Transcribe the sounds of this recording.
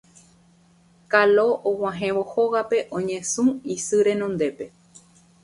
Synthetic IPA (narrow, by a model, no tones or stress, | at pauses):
kaloʔow̃ãɦẽ̞ʋo̞hoɣape̞ʔõɲẽsũisɨɾẽ̞nõnd̪e̞pe̞